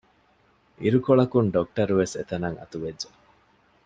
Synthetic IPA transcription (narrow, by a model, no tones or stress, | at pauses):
ʔiɾukoɭɐkunɖok̚ʈɐɾuʋeset̪ɐnɐŋɐ̰t̪uʋed͡ʒːe